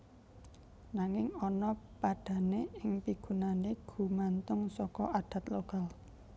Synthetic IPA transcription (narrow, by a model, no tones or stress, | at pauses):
naŋɪŋɔnɔpaɖ̥ä̤neɪŋpiɡ̥ṳnaneɡ̥ṳmant̪ʊŋsɔkɔʔaɖ̥ä̤t̪loɡal